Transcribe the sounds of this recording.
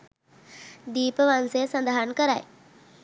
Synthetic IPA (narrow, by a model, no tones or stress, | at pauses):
d̪iːpəʋansejəsand̪aɦankəɾaj